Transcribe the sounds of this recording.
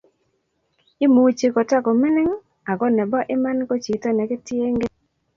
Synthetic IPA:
ɪ˦mu˨˦t͡ʃe˨kɔ˨ta˦kɔ˨mɪ˦nɪ˦ŋ | a˨ɡɔ˦nɛ˨bɔ˦ʔɪ˦ma˦nko˦t͡ʃi˨tɔ˦nɛ˨ɡɪ˦tje˦ŋɡe˦

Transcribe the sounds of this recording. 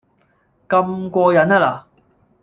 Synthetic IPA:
kɐ˧mkʷɔː˧jɐ˨˧˥naː˧laː˨

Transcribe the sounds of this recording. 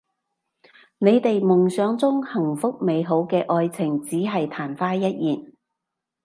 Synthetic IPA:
ne˨˧jt̪e˨jmʊ˨˩ŋsœː˨˥ŋt͡sʊ˥ŋhɐ˨˩ŋfʊ˥k̚me˨˧jɦo˨˥wkɛː˧ʔɔː˧jt͡sʰɪ˨˩ŋt͡siː˨˥ɦɐ˨jt̪ʰaː˨˩nfaː˥jɐ˥t̚jiː˨˩n

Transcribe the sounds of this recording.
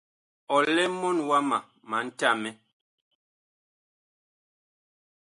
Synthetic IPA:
ɔ˨lɛ˦mɔ˦nwa˦ma˨ | ma˨˦n̩˦ta˦˨mɛ˦

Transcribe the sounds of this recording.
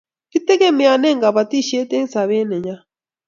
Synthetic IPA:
ki˦tɛ˦ɣe˦mia˨nɛ˦ŋɡa˨βa˨ti˦˨ʃe˦te˦n˦sa˨βe˦nɛ˨ɲa˦

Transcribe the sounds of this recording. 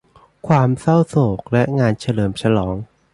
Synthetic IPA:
kʰwaː˧msa˥˩wsoː˨˩k̚lɛ˦˥ʔŋaː˧nt͡ɕʰa˧lɤː˨˩mt͡ɕʰa˧lɔː˩˦ŋ

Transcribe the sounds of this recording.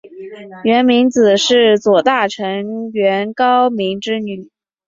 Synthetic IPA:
ɥɛ˧˥nmi˧˥ŋt͡sɹ̩˨˩ʂɻ̩˥˩t͡swɔ˨˩t̪a˥˩ʈ͡ʂʰɤ˧˥ŋɥɛ˧˥nkɑ˥ʊmi˧˥ŋʈ͡ʂɻ̩˥ny˨˩˦

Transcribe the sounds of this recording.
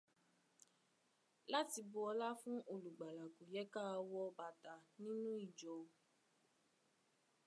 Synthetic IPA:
la˦ti˧bo˧ɔ˧la˦fũ˦ʔo˨lu˨ɡ͡ba˨la˨ko˨jɛ˨˦ka˦˧wɔ˦˧ba˧ta˨nĩ˦nũ˦i˦˨d͡ʒɔ˨˧

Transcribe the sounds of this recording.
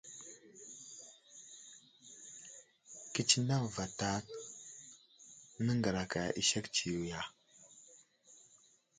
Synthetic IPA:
ki˦t͡ʃi˦na˦ŋva˨ta˦ | nə˦ŋɡə˨ɾa˨ka˨ʔḭ˦ʃa˦kt͡ʃi˨wu˨ja˨

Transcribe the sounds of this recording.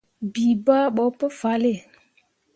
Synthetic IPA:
bi˨ba˦ɓɔ˨˦pə˦fa˨˦le˦˨

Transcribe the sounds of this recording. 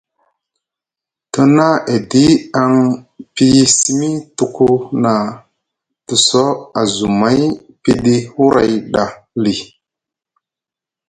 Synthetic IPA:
to˦na˦ʔe˨di˦a˨ŋpi˦˨si˦mi˦tu˨ku˦na˨ | tu˨so˦a˨zu˨ma˦j | pi˦ɗi˦hu˦ɾʔa̰˨jɗa˨ | li˨

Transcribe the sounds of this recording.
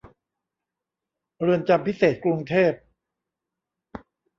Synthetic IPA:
ɾɯ˧ənt͡ɕa˧mpʰi˦˥seː˨˩t̪̚kɾu˧ŋt̪ʰeː˥˩p̚

